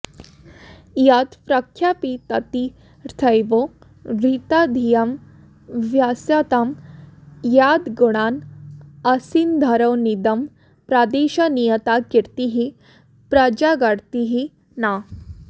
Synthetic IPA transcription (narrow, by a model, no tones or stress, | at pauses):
jat̪pɾəkʰːjapit̪ɐt̪i | ɾt̪ʰəjʋo | ʋit̪ad̪ʱijɐm | ʋjasjat̪am | jad̪ɡuɽ̃aːnɐsind̪ʱɐɾəwnid̪ɐm | pɾad̪eɕanijət̪akiɾt̪iɦi | pɾəd͡ʒaɡaɽt̪iɦi | na